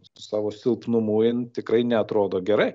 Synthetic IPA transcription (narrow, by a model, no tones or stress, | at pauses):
ʊsɑːʋoːsʲɪlˠpnʊmuːɪnt̪ʲɪkɾɐɪnʲɛɐt̪ɾoːd̪oːɡʲɛɾɐɪ